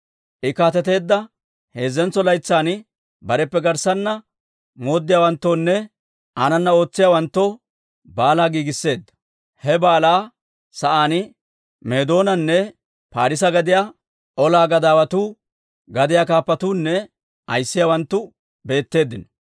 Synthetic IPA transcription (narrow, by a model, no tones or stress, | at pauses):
ʔɪkaːt̪ɛt̪e̞ːd̪ːɐ | he̞ːzːɛnt͡sːɔlɐjt͡sːaːnɪ | bɐɾɛpːɛɡɐɾsɐnːɐ | mo̞ːd̪ːɪjaːwɐnt̪ːoːnːɛ | ʔanɐnːɐo̞ːt͡sːɪjaːwɐnt̪ːɔ | baːlaːɡiːɡɪsːe̞ːd̪ːɐ̥ | hɛbaːlaː | sɐʔaːnɪ | me̞ːd̪o̞ːnɐnːɛ | paːɾɪs̬ɐɡɐd̪ɪjaː | ʔɔlaːɡɐd̪aːwɐt̪uː | ɡɐd̪ɪjaːkaːpːɐt̪uːnːɛ | ʔɐ̰jsːɪjawɐnt̪ːʊ | be̞ːt̪ːe̞ːd̪ːɪnɔ